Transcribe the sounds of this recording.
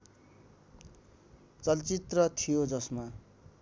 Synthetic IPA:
t͡sʌlt͡sit̪rʌt̪ʰijod͡zʌsma

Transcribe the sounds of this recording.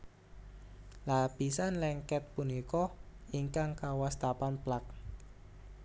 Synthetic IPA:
lapisanlɛŋkɛt̪̚punikɔiŋkaŋkawast̪apanplak̚

